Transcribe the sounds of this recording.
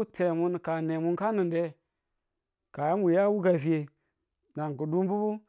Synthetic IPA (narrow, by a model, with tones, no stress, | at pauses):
u˦tʰe˨mu˦nka˨ne˨mu˦nka˦nɨ˨nde˦ | ka˨ja˦m˦wu˨ja˦wu˦ɡa˨fi˨˦e˨ | na˨ŋ˨ku˨du˦mbu˦bu˦